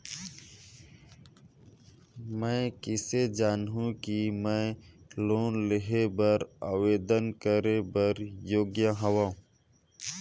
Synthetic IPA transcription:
mɛ̃ːkɪsed͡ʒaːnɦũkimɛ̃ːloːnlɪɦebəɾaːweːd̪ənkəɾebəɾjoːɡjaɦɐwãː

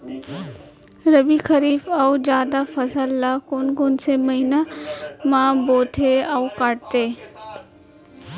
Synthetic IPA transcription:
ɾəbixʰəɾiːfɐwd͡ʒjaːd̪afɐsəlːaːkonɡʊnsemɐɦinamãboːt̪ʰeaukaʈ̚t̪eː

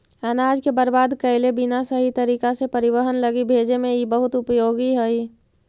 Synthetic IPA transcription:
ənaːd͡ʒkebəɾbaːd̪kəɦɪlebinasəɦit̪əɾiːkasepəɾɪwəɦənləɡibʱeːd͡ʒemẽibəɦʊt̪ʊpjoːɡiɦəi

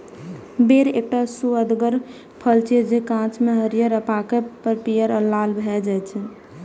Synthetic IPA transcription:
beɾek̚ʈasuəd̪ɡəɾ | pʰəlt͡ʃed͡ʒekãt͡ʃmeɦəɾijəɾəpakepəɾpijəɾəlalbʱɛd͡ʒajt͡ʃʰɛ

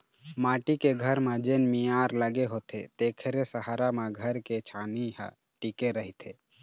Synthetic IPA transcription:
maːʈikeɡʱəɾmẽd͡ʒeːnmijaːɾləɡeɦoːt̪ʰet̪eːkʰɾesəɦaːɾamẽɡʱəɾket͡ʃʰaːniɦ | ʈikeɾəɦit̪ʰe

